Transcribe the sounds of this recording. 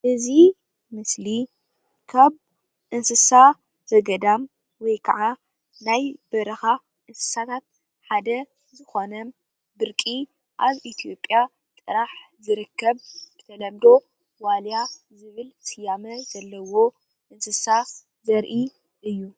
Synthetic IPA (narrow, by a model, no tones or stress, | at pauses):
ʔɨzi | mɨsli | kʰaβ | ʔɨnsɨsa | zɐɡɐd̪am | wɔjkʰɐʕa | najbɐɾɐxa | ʔɨnsɨ̥sat̪ʰat̪̚ | ħad̪ɐ | zɨxo̞nɐ | bɨɾkʼi | ʔaβʔit̪ʰijo̞pʼːja | t̪ʼɨɾaħzɨɾɨkːɐβb̥ɨt̪ʰɐlɐmd̪o̞ | walja | zɨβɨlsʼɨjamɐzɐlːɐwo̞ | ʔɨnsɨsa | zɐɾʔi | ʔɨjːu